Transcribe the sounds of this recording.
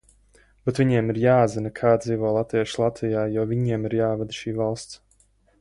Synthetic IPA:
bet̪viɲiɛmiɾjaːzinakʰaːd̪̚d̪ziːvɔːlˠat̪iɛʃlˠat̪vijaːjɔvʲiɲiɛmiɾjaːvɛd̪ʃiːvalˠst̪s

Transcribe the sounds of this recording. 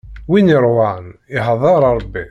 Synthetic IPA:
winiɾˤwanɪɦɑðˤɑɾˤɑɾˤbːi

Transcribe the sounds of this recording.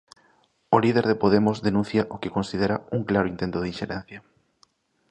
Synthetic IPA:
olið̞eɾð̞epoð̞emʊzðenũn̟θjɐʔokekonsið̞eɾauŋklaɾoint̪ent̪oðinʃeɾɛn̟θjɐ

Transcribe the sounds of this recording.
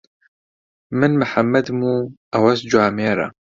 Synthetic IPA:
mɪnmaħamːad̪muʔawasd͡ʒʊʕameːɾˤa̰

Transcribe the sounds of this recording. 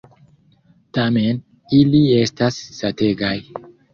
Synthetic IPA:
tame̞n | ilie̞stasːate̞ɡaj

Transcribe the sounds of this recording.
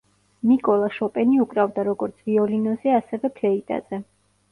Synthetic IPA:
mikʼɔlˠaʃɔpʼɛniukʼɾavd̪aɾɔɡɔɾt̪sʰviɔlinɔzɛasɛvɛpʰlɛit̪ʼa̰z̥ɛ

